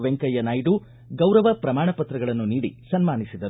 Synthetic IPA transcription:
ʋeŋkɐjɐnaːjɖu | ɡɐwɾɐʋɐpɾɐmaːɳɐpɐt̪ɾɐɡɐɭɐnːuniːɽḭsɐnmaːnisid̪ɐɾ

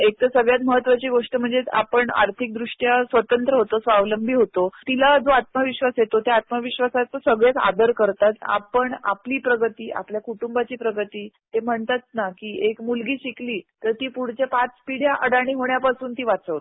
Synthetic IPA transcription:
ek̚t̪əsəɡɭjat̪məɦət̪ːʋat͡ɕiːɡoʂʈəm̤əɳd͡zea̰pəɳa̰ɾt̪ʰik̚d̪ɾuʂʈjasʋət̪ənt̪ɾəɦot̪osʋaʋləmbʱiːɦot̪ot̪ilad͡zoat̪məʋiɕʋasjet̪ot̪jaat̪məʋiɕʋasat̪ːəsəɡɭjat͡sa̰d̪əɾkəɾt̪at̪a̰pəɳa̰pliːpɾəɡət̪iːʔa̰pljakuʈumbat͡ɕiːpɾəɡət̪iːt̪em̤əɳt̪at̪̚nakiːekmulɡiːɕikliːt̪əɾt̪iːpuɽ̤t͡ɕepat͡spiɽ̤jaʔəɽaɽ̃iːɦoɳjapasuːnt̪iːʋat͡səʋt̪

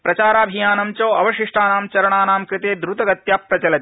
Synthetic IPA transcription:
pɾɐt͡ʃaːɾaːbʱijaːnɐmt͡ʃoːɐʋɐʃiʂʈaːnaːmt͡ʃɐɾɐɳaːnaːmkɾɨt̪eːd̪ɾut̪ɐɡɐt̪jaːpɾɐt͡ʃɐlɐt̪

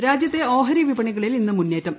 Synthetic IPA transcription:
ɾaːd͡ʑjɐt̪ːe̞o̞ːɦɐɾiʋibɐɳiɣɐɭilinːɨmunːe̞ːtːɐm

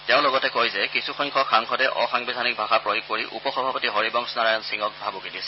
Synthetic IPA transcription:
tɛʊ̃lɔɡɔtɛkojzɛkisuxɔjŋkʰɔxʰaŋkʰɔtɛʔɔxaŋbidʱanik̚bʱaxapɹojukːkoɹiʔṵpɔxɔbʱapɔtiɦoɹibɔŋsnaɹajɔnsiŋɔk̚bʱabokidisɛ̥

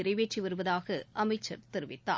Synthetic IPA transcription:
ɪɾɐɪʋeːʈriʋɐɾɯʋɐðaːɣɐʔɐmɐɪt͡ʃːɐ̰ɾt̪ɪɾɯʋɪt̪ːa̰ː

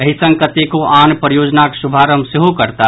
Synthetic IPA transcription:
əɦisə̃ŋɡkət̪ekoʔaːnpɾjoːd͡ʒnaksubʱaɾəmseɦokəɾt̪a

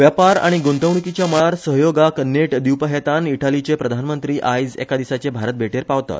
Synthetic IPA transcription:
ʋjapaɾa̰ɽ̃iɡont̪əʋɳ̃ikit͡ɕjaməɭaɾsəɦjoɡakneʈd̪iwpəɦet̪aniʈalit͡ɕepɾəd̪ʱanmənt̪ɾiːʔajd͡zḛkad̪isat͡sebʱaɾət̪̚bʱeʈeɾpaʋt̪a̰t̪

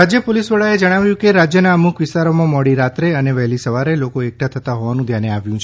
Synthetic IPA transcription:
ad͡ʒjəpolisʋəɭaed͡ʒəɽ̃aʋjũkeɾad͡ʒjənaəmukʋɪst̪aɾomãmɔɽiɾat̪ɾeəneʋɛɦlisəʋaɾelokoek̚ʈʰat̪ʰət̪aɦoʋanũd̪ʱjaneaʋjũt͡ʃʰ

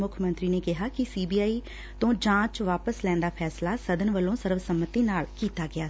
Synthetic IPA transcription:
mʊkʰmə̃nt̪ɾiːneːkɪɦaːkɪsiːbiːaːiː | t̪õːd͡ʒãːt͡ʃʋaːpəslɛ̃ːnd̪aːpʰɛːslaːsəd̪ənʋəlõːsəɾʋsəmːət̪iːnaːlkiːt̪aːɡɪaː

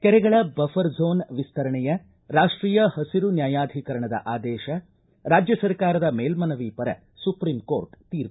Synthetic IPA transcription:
kɛɾɛɡɐɭɐbɐfɐɾzoːnʋist̪ʰɐɾɐɳɛjɐ | ɾaːʂʈɾiːjɐhɐsiɾunjaːjaːd̪ʱikɐɾɐɳɐd̪ɐ̰ʔaːd̪ɛːʃɐ | ɾaːd͡ʒjɐsɐɾkaːɾɐd̪ɐmeːlmɐnɐʋiːpɐɾɐ̰ | supɾiːmko̰ːɾʈt̪iːɾ

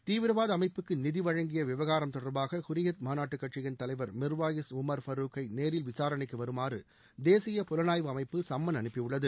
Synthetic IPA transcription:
t̪iːʋɪɾɐʋaːðɐɐmɐɪpːɯkːɯnɪðɪʋɐɻɐŋɡɪjɐʋɪʋɐɣaːɾɐmt̪ɔɽɐɾbaːɣɐkʊɾɪjɐt̪̚maːnaːʈːɯkːɐʈt͡ʃɪjɐnt̪ɐlɐɪʋɐɾmɪɾʋaːjɐsʊmɐɾfɐɾuːkɐɪneːɾɪlʋɪsaːɾɐɳɪkːɯʋɐɾɯmaːɾɯ̰ | d̪eːsɪjɐpʊlɐnaːjʋɯɐmɐɪpːɯsɐmːɐnɐnɯpːɪjʊɭːɐðɯ

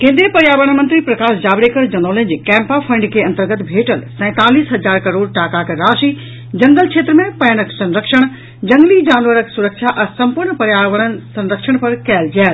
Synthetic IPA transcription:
kẽːnd̪ɾijəpɐɾjaːʋəɽ̃mɐ̃nt̪ɾipɾɐkaːʃd͡ʑaːbɽekəɾd͡ʑɐnoːlə̃d͡ʑikɛ̃ːmpapʰɐ̃ɳɖkʰeɐ̃nt̪əɾɡət̪bʱeːʈəlsɛ̃ːt̪aːliːsɦɐd͡ʑaːɾkɐɾoːɽʈaːkakɾaːʃi | d͡ʑɐ̃ŋɡəlkʰt͡ʃʰeːt̪ɾəmẽpɐjɽəksɐ̃nɾəkʃəɽ̃ | d͡ʑɐ̃ŋɡlid͡ʑaːnʋəɾəksuɾəkʃaʔɛsɐ̃mpuɾɳpɐɾjaːʋəɽ̃ən̆sɐ̃nɾəkʃəɽ̃pɐɾkɛːld͡ʑaːl

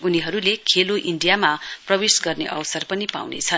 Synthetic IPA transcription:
uniɦʌɾulekʰeloʔiɳɖijamaprʌbesɡʌrneʔʌ̰wʌsʌrpʌnipa̰wnḛt͡sʰʌn

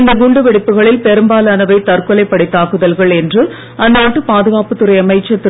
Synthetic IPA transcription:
nd̪ɐɡuɳɖɯʋɛɽɪpːɯɣɐɭɪlpɛɾɯmbaːlɐnɐʋɐɪt̪ɐrkɔlɐɪpːɐɽɪt̪ːaːkɯðɐlɣɐɭɛndrɯ | ɐnd̪aːʈːɯpaːðɯɣaːpɯt̪ːɯɾɐɪɐmɐɪt͡ʃːɐt̪ː

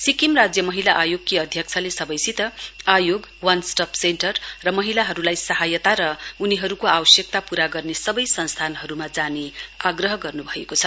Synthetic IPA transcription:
sikimrad͡zjʌmʌɦilaʔajoɡ̚kiʌd̪ʱjʌk̚t͡sʰalesʌbʌjsit̪ʌajoɡwansʈʌpʰsenʈʌrrʌmʌɦilaɦʌɾulajsʌɦajʌt̪aɾʌuniɦʌɾukoawʌsjʌk̚t̪apuɾaɡʌrnesʌbʌjsʌnst̪ʰanɦʌɾumad͡zaneaɡrʌɦʌɡʌrnubʱʌekot͡sʰʌ

